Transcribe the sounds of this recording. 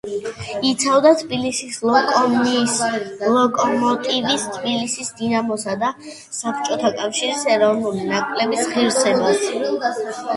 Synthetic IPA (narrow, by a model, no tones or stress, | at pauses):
it̪sʰavd̪at̪ʰbilisislkʼɔi | lˠɔkʼɔmɔt̪ʼivist̪ʰbilisisd̪inamɔsad̪a | sap̚ʰɾt͡ʃʼɔt̪ʰakʼafʃiɾisɛɾɔvnulinakʼlɛbisχiɾsʰɛbas